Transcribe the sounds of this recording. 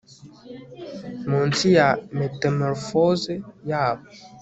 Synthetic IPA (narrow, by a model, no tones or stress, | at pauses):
mɔntijametamɔɾfɔzejap